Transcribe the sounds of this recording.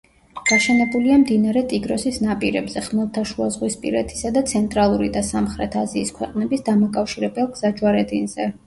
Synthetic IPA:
ɡ̥aʃɛnɛbuliamd̪inaɾɛt̪ʼiɡɾɔsisnapʼiɾɛ̰bzɛχmɛlˠt̪ʰaʃuazʁwispʼḭɾɛt̪ʰi̥sad̪at̪sʰɛnt̪ʼɾalˠuɾid̪asamχɾɛt̪ʰaziːskʰwɛqʼnɛbisd̪amakʼafʃiɾɛbɛlˠɡz̥ad͡ʒwaɾɛd̪inz̥ɛ

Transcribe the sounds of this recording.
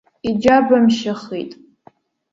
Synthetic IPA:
id͡ʒabamʃaχḭjtʼ

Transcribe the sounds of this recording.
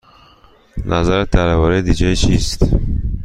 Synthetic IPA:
nʔæzæɾæt̪ʰæɾævɒːɾed̪iːd͡ʒet͡ʃʰiːst̪

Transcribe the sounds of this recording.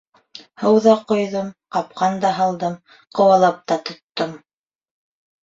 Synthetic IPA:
hɤwðɑqŏjðomqɑp̚qɑnd̪ɑɦɑlˠd̪ɤm | qŏwɑlˠɑp̚t̪ɑt̪ŏt̪ːom

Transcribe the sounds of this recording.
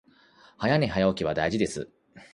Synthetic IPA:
hajane̞ɦajaokʲiβ̞ad̪aiʑid̪e̞sɨ̰

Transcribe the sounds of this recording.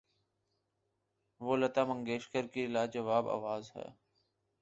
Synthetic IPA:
ʋoːlət̪aːmə̃ŋɡeːʃkəɾkilaːd͡ʒəʋaːba̰ːʋaːzɦɛ̰ː

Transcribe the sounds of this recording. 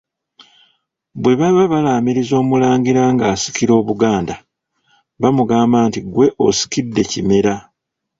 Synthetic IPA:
βwe̞βaβaβalaːmiɾizo̞ːmulaːŋɡiɾaŋɡaːsi̥kiɾo̞ːβuɡaːnda | βamuɡaːmbaːntiɡwe̞ʔosi̥kidːe̞cime̞ɾa

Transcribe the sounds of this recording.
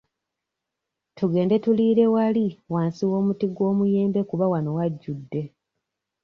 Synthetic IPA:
tuɡe̞ːnde̞tuliːɾe̞waliwaːnsiwo̞ːmutiɡwo̞ːmuje̞ːmbe̞kuβawano̞waɟːudːe̞

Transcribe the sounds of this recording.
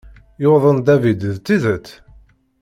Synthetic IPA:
joðˤənd̪ævid̪ðt̪ːiðət̪ː

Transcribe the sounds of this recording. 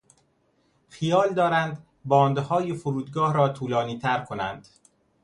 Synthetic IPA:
χijɒːld̪ɒːɾænd̪ | bɒːnd̪hɒːjefoɾuːd̪ɡɒːhɾɒːt̪ʰuːlɒːniːt̪ʰæɾkʰonæ̰nd̪̥

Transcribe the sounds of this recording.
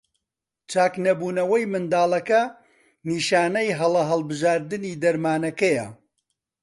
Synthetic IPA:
t͡ʃaːknɐbuːnɐwɐjmɨnd̪aːlˠɐkɐ | niːʃaːnɐjɦɐlˠɐɦɐlˠbɨʒaːɾd̪ɨniːd̪ɐɾmaːnɐkɐjɐ̰

